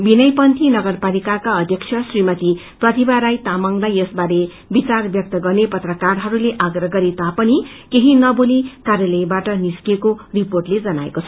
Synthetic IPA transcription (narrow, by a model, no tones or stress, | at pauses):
binʌjpʌnt̪ʰinʌɡʌrpalikakaʌd̪ʱjʌkt͡sʰjʌsrimʌt̪i | prʌt̪ibaɾajt̪amʌŋlajʌsbaɾe | bit͡sarbjʌk̚t̪ʌɡʌrnepʌt̪rʌkarɦʌɾuleʔaɡrʌɦɡʌɾit̪apʌnikeɦinʌbolikarjʌlʌjbaʈʌniskekoriporʈled͡zʌnaḛkot͡sʰʌ̥